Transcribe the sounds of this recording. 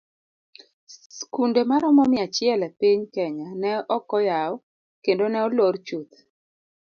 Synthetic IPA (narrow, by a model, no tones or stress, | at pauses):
skundemaɾɔmɔmɪat͡ʃɪɛlɛpiɲkɛɲanɛɔkɔjaɔ | kendonɛɔlort͡ʃut̪